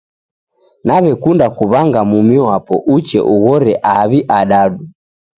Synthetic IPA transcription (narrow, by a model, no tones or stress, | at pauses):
naβɛkundakuβaŋɡamumiwapɔ̰ʔut͡ʃɛ̰ʔuɣɔɾɛʔaβiʔaɗaɗu